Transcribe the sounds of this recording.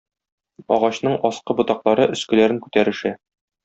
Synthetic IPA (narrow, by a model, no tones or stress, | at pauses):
ɒʁɑɕn̪ɤɴɒsqɤbŏt̪ɑqlˠɑɾɤʔɵ̆skɘ̆læɾɘŋkʉt̪æɾɘ̆ʃæ